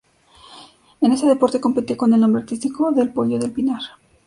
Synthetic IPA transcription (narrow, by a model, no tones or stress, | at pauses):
e̞ne̞see̞po̞ɾt̪e̞ko̞mpet̪jeko̞ne̞lnombɾeaɾt̪ist̪ikoðe̞lpo̞ʎoðe̞lpinaɾ